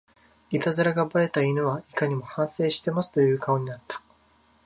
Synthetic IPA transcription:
it̪azɨɾaɡabaɾe̞t̪ainɯβaikaɲ̟imo̞hãɰ̃se̞ːɕi̥t̪e̞masɨ̥t̪o̞jɯ̟ːkao̞ɲ̟inat̪ːḁ

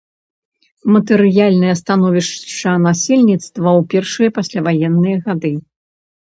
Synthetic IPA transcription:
mɐt̪ɛɾɨjalʲnɨjɐst̪anɔvʲiʂt͡ʂːɐnasʲɛlʲnʲit̪st̪vɐwpʲɛrʂɨjɐpasʲlʲavajɛnːɨjɐɣad̪ɨ

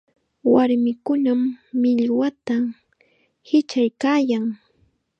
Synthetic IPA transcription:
waɾmɪkʊnamːɪʎwat̪a | hɪt͡ʃajkaːjaŋ

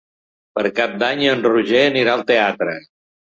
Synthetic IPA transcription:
pəɾkap̚d̪aɲənruʒeəniɾaəlˠt̪eat̪ɾə

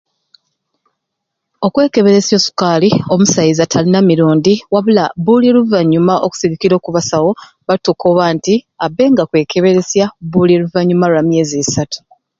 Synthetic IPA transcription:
o̞kwe̞ːke̞βe̞ɾe̞sjo̞ːsu̥kaːlio̞musajizatʰalinamiɾuːndiwaβulabuleluvaɲːumaʔoku̥siɡikiɾo̞ːkuβasawo̞ | βatukʰoβaːntiabːe̞ːŋɡakwe̞ːkʰe̞βe̞ɾe̞sjabulieluvaɲːumauamje̞ːzesatu̥

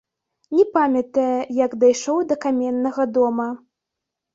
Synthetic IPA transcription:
nʲɛpamʲɐt̪ɐjɐjɐɡd̪ajʂɔwd̪ɐkamʲɛnːɐɣɐd̪ɔmɐ

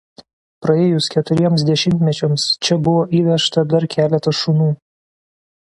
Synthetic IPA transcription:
pɾɐeːjʊskʲɛt̪ʊɾʲiɛmsd̪ʲɛʃʲɪmʲt̪ʲmʲɛt͡ʃʲɛmst͡ʃʲɛbʊʋoːʔiːʋʲɛʃt̪ɐd̪ɐɾkʲʰæːlʲɛt̪ɐʃunuː

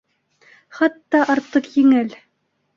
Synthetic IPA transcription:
χɑt̪ːɑʔɑɾt̪ːɤqjɘ̆ŋɘl

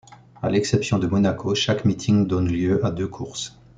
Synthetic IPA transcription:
a̰lɛksɛpsjɔ̃d̪əmɔnakʰoʃakmit̪ʰiŋd̪ɔnljøʔad̪økʰuʁs

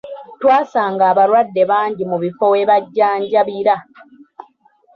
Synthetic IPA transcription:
twaːsaːŋɡaːβaɾwadːe̞βaːɲɟimuβifo̞we̞ːβaɟːaːɲɟaβiɾa

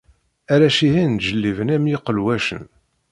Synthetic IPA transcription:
æɾæʃihinʒəlːivənæmjiqəlwæʃə̰n

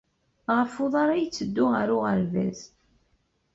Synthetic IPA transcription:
ʁəfʊðˤɑɾˤæjt͡sːəd̪ːʊʁəɾʊʁəɾvæ̰z

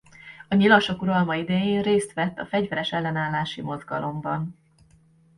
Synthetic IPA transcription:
ɒɲilɒʃo̞kuɾɒlmɒid̪ɛjeːnreːst̪ʋɛt̪ːɒfɛɟvɛɾɛʃɛlːɛnaːlːaːʃimo̞zɡɒlʔo̞mbɒn

